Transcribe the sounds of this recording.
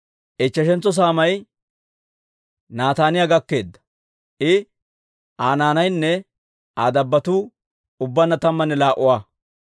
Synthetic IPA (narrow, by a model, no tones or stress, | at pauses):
ʔɛt͡ʃːɐʃɛnt͡sːɔs̬aːmɐj | naːt̪aːnɪjaɡɐkːe̞ːd̪ːɐ̥ | ʔɪ | ʔaːnaːnɐjnːɛ | aːd̪ɐbːɐt̪uː | ʊbːɐnːɐt̪ɐmːɐnːɛlaːʔʊwaː